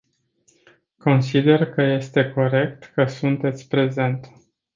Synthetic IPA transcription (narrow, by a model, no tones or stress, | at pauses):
ko̞nsid̪e̞rkəje̞st̪e̞ko̞ɾe̞k̚t̪kəsunt̪e̞t̪sʲpɾe̞ze̞nt̪